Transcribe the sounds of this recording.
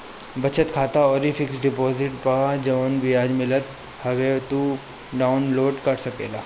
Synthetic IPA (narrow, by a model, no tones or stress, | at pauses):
bɐt͡ʃət̪kʰaːt̪aɔːɾifʰɪksɖɪpɔːzɪʈpaad͡ʒɐʋənbijaːd͡ʒmɪlət̪ | hɐʋet̪u | ɖaːʊnloːɖkɐʈsɐkḛːlaː